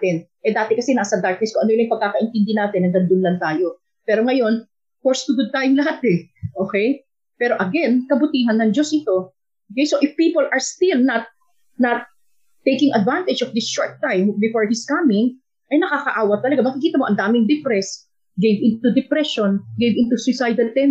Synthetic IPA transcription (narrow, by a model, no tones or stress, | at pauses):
t̪ɛn | ʔɛd̪aːt̪ɛkɐsɛnaːsɐd̪aɹk̚nɛskoŋʔɐnojlajŋpɐɡ̚kaːkɐʔɪnt̪ɪnd̪ɪnaːt̪ɪnːɐŋɡ̪ɐnd̪ʊnlɐnt̪aːjo̞ | pɛːɾoŋɐjo̞n | fɔɹst̪ʊɡʊd̪̚t̪ajʊŋlɦat̪ɛʔoːkɛj | pɛːɾo̞ʔɐɡɛnkɐbʊt̪iːɦɐnːɐŋd͡ʒo̞sʔɪt̪o̞ | ʔokejsoʔɪfpiːpolʔɐɹst̪ɪlnɐt̪̚ | nɐt̪̚ː | ejkɪŋɐd̪vant̪ɪd͡ʒɔvd̪ɪsʃoɹt̪ːãjmbɪfoɹhiskamɪŋ | ʔɐjnɐkaːkɐʔaːwɐt̪ːɐlɐɡamɐkɪkiːt̪ɐmoɐnd̪aːmɪŋd̪ɛpɾɛs | ɡejvɪnt̪ud̪ɛpɾɛʃonɡejvɪ̃nt̪usɪsajd̪ɐlt̪ɛn